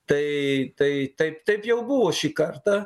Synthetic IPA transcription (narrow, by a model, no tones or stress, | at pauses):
t̪ɐɪt̪ɐɪt̪ɐɪpt̪ɐɪpjɛʊbʊʋoːʃʲikɐrt̪ɐ